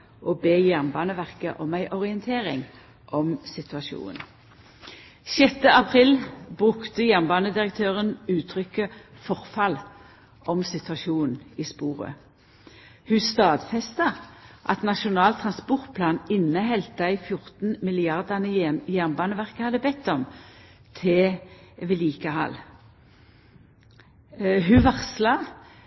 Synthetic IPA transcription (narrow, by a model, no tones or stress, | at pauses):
ʔoːbeːjæʁnbɑːnəʋæʁkəʔɔmæɪʔɔʁɪənt̪ʰeːʁɪ̰ŋ | ʔɔmsɪt̪ʉɑʃṵːn | sjɛt̪ːəɑpʰʁilbʁʉkt̪əjæʁnbɑːnəd̪ɪʁək̚t̪ʰøːʁənʉːt̪ʰʁʏkəfɔʁfɑl | ʔɔmsɪt̪ʉɑʃuːn̩iːspuːʁə̰ | hʉst̪ɑːd̪fɛst̪ɑʔɑ̰t̪nɑʃʊnɑːlt̪ʰʁɑnspɔʁt̪̚pʰlɑːnɪnːəɦɛlt̪əæɪfjʊʁt̪n̩mɪlɪɑʁd̪ɑnəjæʁnbɑːnəʋæʁkəhɑd̪əbɛt̪ːɔmt̪ʰɪʋɪliːkəhɑ̰l | ɦʉʋɑʁslɑ